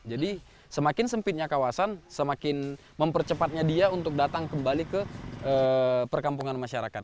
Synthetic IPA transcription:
d͡ʒadi | səmakɪnsəmpɪt̪̚ɲakawasansəmakɪn | məmpərt͡ʃəpat̪̚ɲadiaunt̪ʊk̚dat̪aŋkəmbalikəʔəpərkampuŋanmaʃaɾakat̪̚

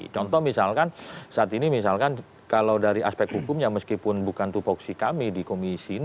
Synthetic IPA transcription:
t͡ʃɔnt̪ɔhmisalkansaʔat̪inimis̬alkan | kalawdaɾiaspɛk̚t̪hukʊmɲaməskipʊnbukant̪upɔksikamidikomisin

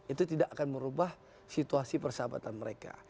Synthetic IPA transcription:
it̪ut̪idaʔakanməɾubah | sit̪uasipərsəaba̰t̪anməɾeka̰

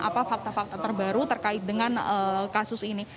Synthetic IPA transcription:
ʔa̰pafak̚t̪afak̚t̪at̪ərbaɾut̪ərkaɪt̪̚dəŋanəkasʊsini

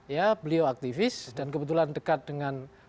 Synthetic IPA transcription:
jabəlioak̚t̪ifɪsdankəbət̪̬ulandəkat̪̚dəŋan

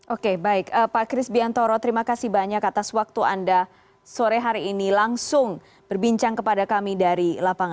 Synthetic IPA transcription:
ʔokebaɪkəpakɾɪsbiant̪oɾɔt̪əɾimakasibaɲakat̪aswak̚t̪uanda | soɾɛɦaɾiːnilaŋsʊŋ | b̥ərbiɲt͡ʃaŋkəpadakamidaɾilapaŋ

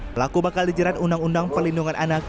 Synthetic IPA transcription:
pəlakubakaldid͡ʒəɾat̪undaŋundaŋpərlinduŋanʔanak

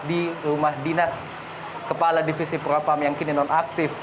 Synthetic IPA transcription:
dirumahdinas | kəpaladifisipɾopamjaŋkininɔnak̚t̪ɪf

